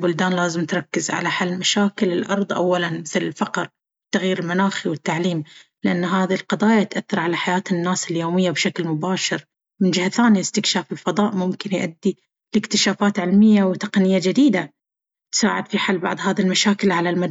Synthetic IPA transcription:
bʊld̪aːnlaːzɪmt̪ɾˤɑkːɪzʕa̰laħalːmaʃaːkɪlɪlʔɑɾˤðˤʔa̰wːalanmɪθlɪlfɑqɾ | t̪ːaɣjiːɾɪlmanaːxiwɪt̪ːaʕliːmlɪʔanːɦaːðilqɑd̪ˤɑːjat̪ʔaθːɑɾˤʕalaħajaːt̪ɪnːaːsɪljoːmɪjːabʃaklmʊbaːʃɪɾ | mɪnd͡ʒɪhaθaːniɪst̪ɪkʃaːfɪlfɑðˤɑːʔmʊmkɪnjʔa̰d̪ːi | lɪkt̪ɪʃaːfaːt̪ʕɪlmɪjːawt̪ɑqnɪjːad͡ʒɪd̪iːd̪a | t̪sa̰ːʕɪ̰d̪fiħalːbɑ̰ʕd̪ðˤhaːðilmaʃaːkɪlʕalalmad̪

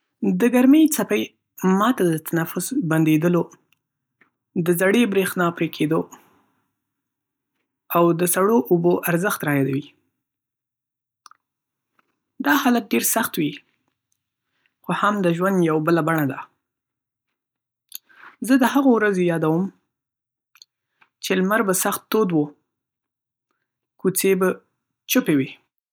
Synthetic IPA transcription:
d̪əɡaɾmejt͡sapəj | mɑt̪ad̪ət̪ʰanafʊsband̪ed̪əlo | d̪əzaɽebɾexnɑpɾekʰed̪o | awd̪əsaɽoʔʊboʔaɾzəxt̪ɾɑjɑd̪awi | d̪ɑhɑlat̪̚ɖeɾsaxt̪wi | xohamd̪əʒwand̪jawbəlabaɳad̪a | zəd̪əhaɣowɾazejɑd̪awəm | t͡ʃelmaɾbasaxt̪ːod̪wu | kut͡seba | t͡ʃʊpewi

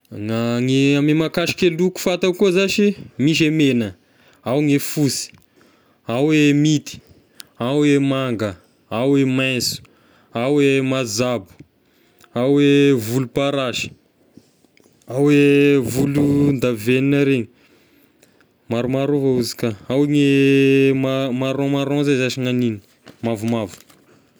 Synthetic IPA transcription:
ŋaŋiamimakaʃi̥keluku̥fat̪akuzaʃimiʃ̬emenə | awŋefusi̥ | awemit̪i̥ | awemaŋɡə | awemajnsu̥ | awemazabu̥ | awevulupaɾaʃi̥ | awevulund̪aveninaɾeɲi | maɾumaɾuvauzi̥kaawŋe | mamaɾõmaɾõzezaʃiŋanini̥ | mavumavu̥

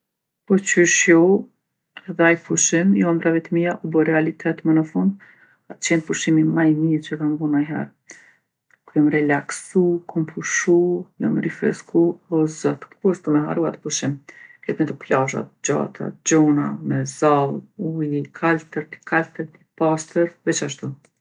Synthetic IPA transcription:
pɔt͡ɕyʃjɔ | ɛðɛajpuʃimjɔmbɾavɛt̪miaʔubɔɾɛalit̪ʰɛt̪mənəfund̪ | at̪t͡ɕɛnpuʃimimajmit͡ɕəkamvunajɦɛ̰ɾ | kuɔmɾɛlaksukʰɔmpʰuʃujɔmɾifɾɛ̰skʰuɔszɔt̪kuɛst̪umɛɦa̰ɾuat̪ə̥puʃimkɛt̪mint̪əplaʒa̰t̪̚d͡ʑa̰t̪ʰa̰d͡ʑɔna̰mɛzalˠujkʰalt̪əɾt̪i̥kʰalt̪əɾt̪ipast̪əɾvɛt͡ʃaʃt̪u

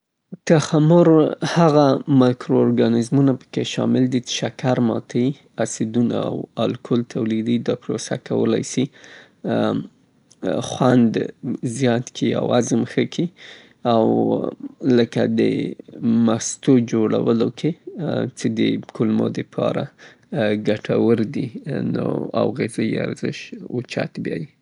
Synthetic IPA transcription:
t̪axamʊɾhaɣamakɾoːɾɡɑnɪzmunapə̥keʃɑ̰mɪld̪it͡ʃe̥ʃakaɾmɑt̪ʰai | asid̪una̰a̰walkʰolt̪ʰawlid̪id̪ɑpɾosa̰kawə̰la̰jsi | xwand̪zjɑt̪kʰia̰wazəmxəkʰi | aw | ləkad̪ə̰ | mast̪od͡ʒoɽa̰wəlokʰet͡sed̪əkʊlmo̰d̪əpʰɑ̰ɾa | ɡaʈʰawəɾd̪ino̰a̰wɣezajia̰ɾzɪʃut͡ʃa̰t̪bjɑji

